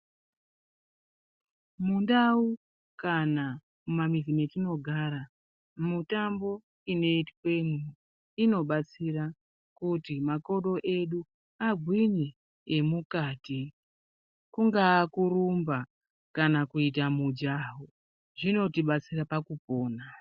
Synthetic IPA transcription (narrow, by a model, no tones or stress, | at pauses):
mundau | kana | mumamizime̞tino̞ɡʱaɾa | mutambo̞ | ine̞itwe̞mu | ino̞ɓat͡sira | kutimako̞ɗo̞ʔe̞ɗu | aɡʱwiɲeː | mukaːti | kuŋɡaːkurumba | kanakuit̬amud͡ʒaɦo | ʐino̞tiɓat͡sirapakupo̞ːna